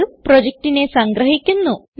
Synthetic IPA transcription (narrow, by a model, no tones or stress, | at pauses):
upɾod͡ʑek̚ʈine̞sɐŋɡɾɐɦikʲːunːun